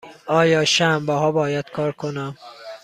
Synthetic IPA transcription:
ʔɒːjɒːʃæmbæɦɒːbɒːjæd̪̥kʰɒːɾkʰonæm

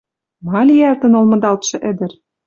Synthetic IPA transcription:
mɑlʲijært̪ɤ̆nolmɤ̆d̪ɑlt̪ʃɤ̆ʔĕd̪ɘ̆r

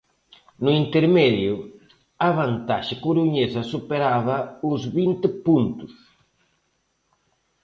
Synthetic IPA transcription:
nʊint̪eɾmɛðjʊ | aβant̪aʃɪkuɾuɲesɐsupeɾaβɐʊzβint̪ɪpunt̪ʊ̥s

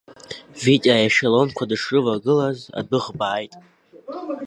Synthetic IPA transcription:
vitʲʼajaʃalo̞nkʷʰadʂɨvaɡɨlaza̰dɨʁbaːjtʼ

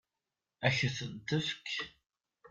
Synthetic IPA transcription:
æçəθənt̪əfkʰ

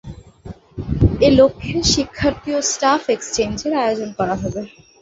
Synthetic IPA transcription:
elokʰːeʃikʰːaɾt̪iosʈafekst͡ɕend͡ʑeɾaeod͡ʑonkɔɾaɦɔbe

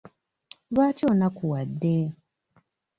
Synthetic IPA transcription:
βaːtjoːnakuwadːe

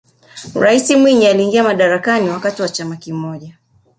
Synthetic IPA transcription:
ɾaisimwiɲialiːŋɡiamaɗaɾakaniwakatiwat͡ʃamakimɔʄa

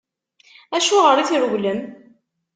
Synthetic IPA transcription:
æʃuʁəɾˤiθiɾuʝləm

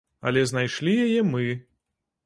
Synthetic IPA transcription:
ɐ̰lʲɛznajʂlʲijajɛmɨ

